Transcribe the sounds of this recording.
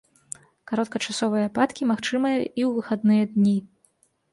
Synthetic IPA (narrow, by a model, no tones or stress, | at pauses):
kaɾɔt̪̚kɐt͡ʂasɔvɨjɐpat̪kʲimaxt͡ʂɨmɨjɐʔiwvɨxad̪nɨjɐd̪nʲi